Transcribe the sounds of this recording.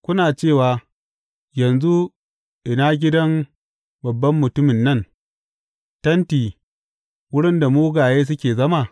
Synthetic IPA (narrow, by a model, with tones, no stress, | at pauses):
kʷʊ˦naː˨t͡ʃeː˦˨waː˨ | jɐ˨nzu˦ | ʔɪ˨naː˦ɡʲɪ˦dɐ˦m | bɐ˨bːɐ˦mːʊ˨tʊ˦mɪ˨nːɐ˦n | tɐ˦ntiː˨ | wʊ˦ɽɪ˦nda˨moː˦ɡaː˨jeː˦s̬ʊ˦kʲeː˨zɐ˦maː˦˨